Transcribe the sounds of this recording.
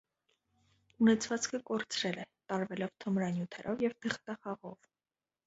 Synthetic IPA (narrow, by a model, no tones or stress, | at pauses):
unɛt͡sʰvɑt͡skʰəkɔɾt͡sʰɾɛlɛt̪ɑɾvɛlɔvt̪ʰəmɾɑnjut̪ʰɛɾʔɔvjɛvt̪ʰəχt̪ɑχɑʁɔv̥